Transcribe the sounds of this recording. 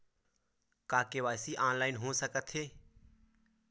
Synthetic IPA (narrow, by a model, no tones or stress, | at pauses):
kaːkeʋaːsiʔãːnlaːɪnɦõːsəkət̪ʰɦeː